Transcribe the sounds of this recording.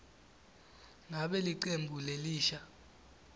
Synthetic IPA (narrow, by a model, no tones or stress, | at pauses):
ŋaɓɛliǃembʱuleliːʃa